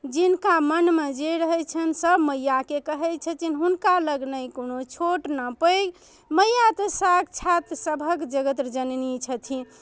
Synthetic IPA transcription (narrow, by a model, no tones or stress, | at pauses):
d͡ʒinkamənmed͡ʒeɾəɦɛt͡ʃʰənsəbməjːakekəɦɛt͡ʃʰət̪ʰinɦunkaləɡnəjkonot͡ʃʰoʈnəpəjɡ | məjːat̪əsak̚t͡ʃʰat̪səbʱəkd͡ʒəɡət̪ɾd͡ʒənnit͡ʃʰət̪ʰi